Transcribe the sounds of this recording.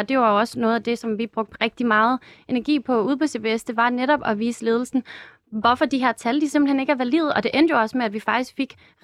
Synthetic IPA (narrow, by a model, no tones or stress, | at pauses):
d̥e̝joɑ̈joɒ̽sənɔ̽ːð̞̩ˠæd̥e̝sɒ̽mʋib̥ʁɔ̽ɡ̥̚d̥ʁɛɡ̥̚d̥imɑ̈ːð̞̩ˠʔe̝næɐɡ̥ḭːpʰɒ̽uð̞ˠpʰɒseb̥eesd̥e̝ʋɑ̈neɾɒ̽b̥ɒ̽ʋiːsəle̝ːð̞ˠl̩sn̩ | ʋɒfɒ̽d̥iɦeɐt͡sʰæld̥isemb̥l̩hene̝ɡ̥æɐʋæliːð̩ˠɒ̽d̥e̝ʔend̥jo̝ɒ̽smeæʋifɑ̈ɡ̥̚isɡ̥fe̝ɡ̥